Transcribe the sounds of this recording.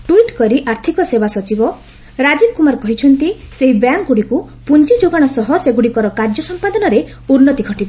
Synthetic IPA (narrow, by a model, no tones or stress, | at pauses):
ʈuiʈkɔɾiʔaɾt̪ʰikɔsebasɔt͡ʃibɔ | ɾad͡ʒibkumaɾkɔɦit͡ʃʰɔnt̪iseɦibjaŋkɡuɽiku | punt͡ʃid͡ʒoɡaɽ̃ɔsɔɦɔseɡuɽikɔɾɔkaɾd͡ʒɔsɔmpad̪ɔnɔɾe | uɾnɔt̪iɡʱɔʈibɔ